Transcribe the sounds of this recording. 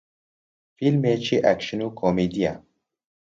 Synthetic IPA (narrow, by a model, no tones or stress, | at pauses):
filmeːt͡ʃʰiʔækʃɨnukʰomed̪ija̰